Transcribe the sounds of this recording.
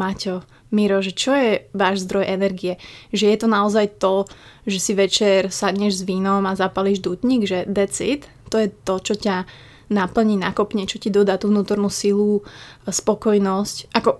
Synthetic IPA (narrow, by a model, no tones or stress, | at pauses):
macɔ | miɾɔʒɛt͡ʃɔjɛʋaːʒzd̪ɾɔjʔɛnɛɾɡiɛʒɛjɛt̪ɔnaɔzajt̪ɔʒɛsiʋɛt͡ʃɛɾsadɲɛʒzʋiːnɔmazapaliʒd̪ut̪ɲiɡʒɛd̪ɛt͡sit̪ːɔjɛt̪ɔt͡ʃɔca | napl̩ɲiːnakɔpɲɛt͡ʃɔcid̪ɔd̪aːt̪uːʋnuːt̪ɔɾnuːsiluspɔkɔjnɔscʔakɔ